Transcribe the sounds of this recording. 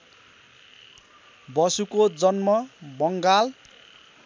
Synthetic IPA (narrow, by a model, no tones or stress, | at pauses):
bʌsukod͡zʌnmʌbʌŋɡal